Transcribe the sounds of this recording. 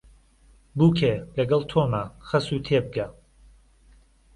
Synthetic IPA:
bukʰelɐɡɐlˠt̪ʰoːmaxɐsuːt̪ʰebɨɡa

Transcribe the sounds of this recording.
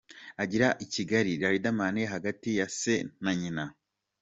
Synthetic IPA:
aɟiɾaʔiciɡaɾiɾaɾidamaneɦaɡatijasenaɲina

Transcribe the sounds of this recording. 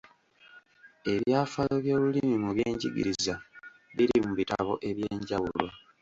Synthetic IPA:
e̞βjaːfajoβjo̞ːβulimimuβjeːɲɟḭɡḭɾiza | βiɾimuβitaβo̞̰ʔe̞βje̞ːɲɟawulwa

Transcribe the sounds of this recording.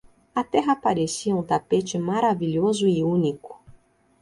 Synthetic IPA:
ɐt̪ɛɦɐpaɾesiɐũt̪apet͡ʃɪmaɾaviʎozʊɪũnikʊ̥

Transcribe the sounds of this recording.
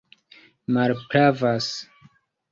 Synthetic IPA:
malpɾavas

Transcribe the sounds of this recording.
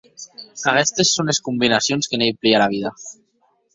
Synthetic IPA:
aɣɛst̪esːoneskumbinasjonskenejplialaβ̞iða

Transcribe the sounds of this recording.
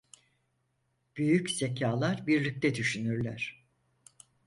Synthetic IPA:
b̥yjycz̥e̞cʰaːlˠaɾbiɾlʲic̚t̪ʰɛd̪yʃynyɾlʲæɾ̥

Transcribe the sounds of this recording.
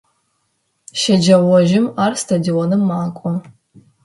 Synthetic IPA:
ʃɐd͡ʒɐwɔʒɪmaːrstʰadionɨmːaːkʷʼɔ

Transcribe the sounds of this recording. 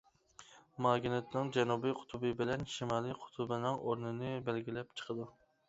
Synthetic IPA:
mɑɡʲinet̪nɪŋd͡ʒɛnubijqʰʊ̥t̪ʰubɨbɪlɛnʃimɑlˠɨqʰʊ̥t̪ʰʊbɪnɪŋʔoɾnɨnɪbælɡʲilɛp̚t͡ʃʰə̥qʰəd̪u

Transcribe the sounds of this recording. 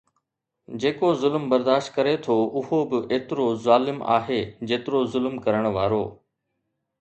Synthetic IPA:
d͡ʑeːkozʊlmbɐɾd̪aːʃt̪kɐɾet̪ʰoʔʊɦobɪʔeːt̪ɪɾozaːlɪma̰ːɦed͡ʑeːt̪ɪɾozʊlmkɐɾəɽ̃ʋaːɾoː

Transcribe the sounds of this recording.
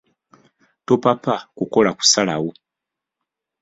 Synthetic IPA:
topapakuko̞laku̥salawo

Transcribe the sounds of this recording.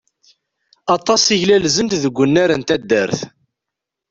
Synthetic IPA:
ɑt̪ˤːɑsˤiʝlælzənt̪ðəɡʷːənːaɾənt̪æd̪ːəɾθ

